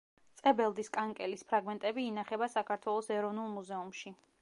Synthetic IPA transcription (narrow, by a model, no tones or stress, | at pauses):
t̪sʼɛbɛlˠd̪iskʼaŋkʼɛlispʰɾaɡmɛnt̪ʼɛbiːnaχɛbasakʰaɾt̪ʰwɛlˠɔsɛɾɔvnulˠmuzɛumʃi